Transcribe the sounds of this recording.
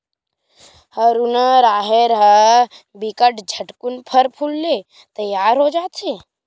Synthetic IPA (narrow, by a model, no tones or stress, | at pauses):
həɾunəɾaːɦeɾɦə | bikəʈd͡ʒʱəʈkunpʰəɾpʰulːe | t̪əjaːɾɦod͡ʒaːt̪sʰe